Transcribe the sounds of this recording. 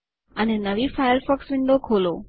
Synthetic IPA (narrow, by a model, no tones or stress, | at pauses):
ənenəʋifajəɾfɔksʋɪɳɖokʰolo